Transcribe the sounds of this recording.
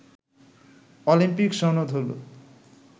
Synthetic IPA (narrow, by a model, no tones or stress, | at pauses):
ɔlimpikʃɔnod̪ʱɦolo̰